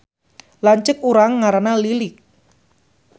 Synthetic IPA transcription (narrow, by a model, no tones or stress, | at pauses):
laɲt͡ʃɪkuɾaŋːaɾanalilɪk̚